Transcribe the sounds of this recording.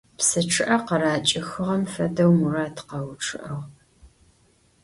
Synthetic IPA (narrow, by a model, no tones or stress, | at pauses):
psɨʈ͡ʂʰɨʔɐqɐɾaːt͡ʃʼɪxɨʁɐmfɐdɐwmuraːtqɐwʈ͡ʂʰʼɨ̰ʔɐʁ